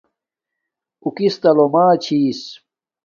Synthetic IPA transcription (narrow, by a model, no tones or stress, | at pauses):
ukist̪ɐlomaːt͡ɕʰiːs